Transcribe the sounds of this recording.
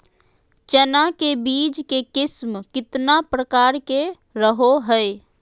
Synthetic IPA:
t͡ʃənakebiːd͡ʒkekɪsmkɪt̪napɾəkaːɾke | ɾəɦoɦəe

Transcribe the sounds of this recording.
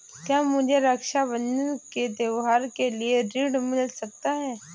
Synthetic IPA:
kjaːmʊd͡ʒʱeɾɐkʃaʋənked̪jɐʋɦaːɾkelieɾiːɖmɪlsɐk̚t̪aɦɛː

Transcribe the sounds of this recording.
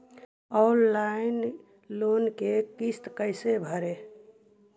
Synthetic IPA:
ɔnlaɪn | lonkekist̪kəɪsebʱəɾe

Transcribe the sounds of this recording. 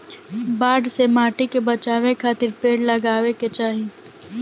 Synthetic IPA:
baːɖsemaːʈikebɐt͡ʃaːʋẽkʰaːt̪ɪɾpeːɽlɐɡaːʋeket͡ʃaːɦi

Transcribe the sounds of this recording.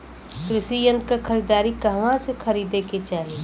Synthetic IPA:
kɾɪʃijə̃nd̪kakʰɐɾiːd̪aːɾikɐɦʋãsexʰɐɾiːd̪eket͡ʃaːɦieː

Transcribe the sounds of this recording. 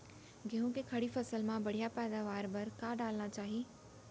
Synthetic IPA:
ɡeɦũkekʰɐɽifɐsəlmãbɐɽ̤ijapɛːd̪aːʋaːɾbɐɾkaɖaːlnat͡ɕaːɦiː

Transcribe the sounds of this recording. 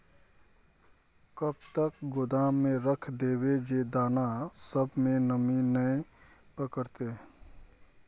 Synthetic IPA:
kəb̚t̪ək̚ɡʊd̪aːmẽɾəkʰd̪eːbed͡ʒed̪aːnasəbʱmẽnəminəepəkəɾt̪e

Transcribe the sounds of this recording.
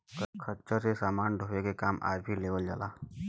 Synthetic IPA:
kəkʰəɾt͡ʃəɾsesaːmaːnɖʱopekekaːma̰ːɾbʱileːʋəld͡ʒa̰ːlaː

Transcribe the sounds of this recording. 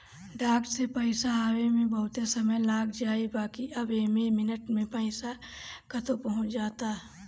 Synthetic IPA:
ɖaːkʈsepəɪsaɦawemẽbɐɦʊt̪esəməjlaːɡd͡ʒaːibaːkiʔɐbemẽmɪnəʈmẽpəɪsa | kət̪opɐɦʊ̃t͡ʃd͡ʒaːt̪aː

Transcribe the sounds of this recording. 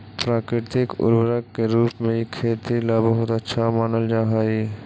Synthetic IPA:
pɾaːkɾɪt̪ɪkʊ̰ɾbəɾəkːeɾuːpmẽkʰeːt̪ilabəɦʊt̪ətːʃʰamaːnəld͡ʒaːɦai

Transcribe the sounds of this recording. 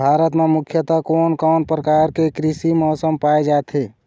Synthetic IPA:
bʱaɾət̪memukʰjət̪akonkɔːnpɾəkaɾkekɾisimɔːsəmpaed͡ʒat̪ʰe

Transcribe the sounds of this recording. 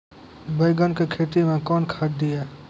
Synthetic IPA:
bəɪɡənkekʰeːʈ̪imẽkɔːnkʰad̪iɛː

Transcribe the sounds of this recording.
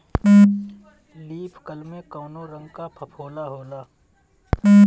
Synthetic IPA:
liːpʰkəlmẽkoːnoɾə̃ŋɡkapʰəpʰoːlaɦoːlaː

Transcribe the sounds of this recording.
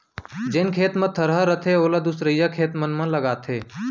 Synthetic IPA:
d͡ʒɪnkʰeːt̪mə̃t̪ʰəɾɦəɾət̪ʰeoːlad̪usɾəjakʰeːt̪mənmə̃ləɡaːt̪ʰeː

